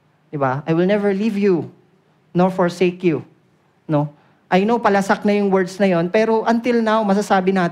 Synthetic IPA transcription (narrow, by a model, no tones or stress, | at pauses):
d̪ɪbaʔɐjwɪlnɛvɛɹlivju | noɹfɔɹsekju | no̞ | ʔɐjnowpɐlɐsɐk̚nɐjʊŋwɛɹd̪snɐjo̞npɛːɾo̞ʔɐnt̪ɪlnawmɐs̬ɐsaːbɪnaːt̪